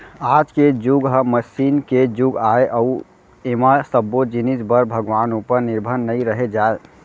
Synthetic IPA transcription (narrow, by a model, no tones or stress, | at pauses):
ad͡ʒked͡ʒuɡɦəməsinked͡ʒuɡaeʔəu | emasəbːod͡ʒinisbəɾbʱəɡʋanupəɾniɾbʱənːəjɾəɦed͡ʒae